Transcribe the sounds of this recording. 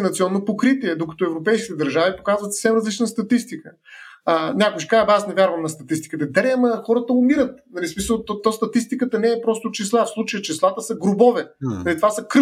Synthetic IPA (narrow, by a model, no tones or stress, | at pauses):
nɐt̪siɔnːopokɾit̪iɛd̪okɐ̥t̪ɔɛvɾopɛjskʲit̪ɛd̪ɐɾʒavipokazvət̪sə̥fsɛmɾɐzlit͡ʃnəst̪ɐt̪ist̪ikə | nʲakʊjʃkabasnɛvʲjaɾvəmnɐst̪ɐt̪ist̪i̥kət̪ɛd̪ɐɾɛɐmɐxɔɾət̪əʊmiɾət̪̚nɐlismisəlˠt̪t̪ɔst̪ɐt̪ist̪ikət̪ənɛːpɾɔst̪ʊt͡ʃislˠafslˠut͡ʃəjət͡ʃislˠat̪əsɐɡɾʊbɔvɛnɐlit̪ovasɐk